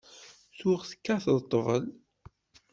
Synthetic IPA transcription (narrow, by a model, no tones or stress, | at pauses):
θuʁθə̥kːæθəðt̪ˤːvə̰l